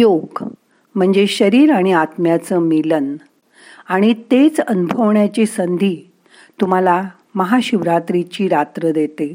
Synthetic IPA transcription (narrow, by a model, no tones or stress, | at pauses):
joɡ | m̤əɳd͡zeɕəɾiːɾaɽ̃iat̪mjat͡səːmilən | aɽ̃it̪et͡sənubʱəʋɳjat͡ɕiːsənd̪ʱiː | t̪um̤ala | məɦaɕuʋɾat̪ɾit͡ɕiːɾat̪ɾəd̪et̪e